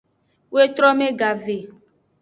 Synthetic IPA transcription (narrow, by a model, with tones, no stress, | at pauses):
wo˦e˦t̪ɾɔ˦mẽ˦ɡa˨ve˨